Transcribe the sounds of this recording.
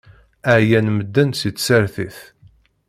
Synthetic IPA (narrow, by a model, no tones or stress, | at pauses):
æʕjænməd̪ːənsitːsəɾθiθ